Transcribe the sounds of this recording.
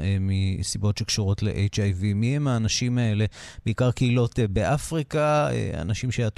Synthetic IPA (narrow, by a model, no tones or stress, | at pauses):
misibo̞tʃe̞kʃuʁo̞tle̞̰ʔejt͡ʃajvimihemaːnaʃimae̞le̞b̥eikaʁkeilo̞tbeʔafʁikaḛa̰naʃimʃeat